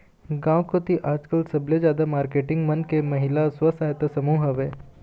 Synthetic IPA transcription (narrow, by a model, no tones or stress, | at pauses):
ɡãʋkot̪iʔaːd͡ʒkəlsɐbled͡ʒjaːd̪amaːɾkeʈɪŋɡmənkemɐɦilasʋəsajt̪əsəmuːɦəʋe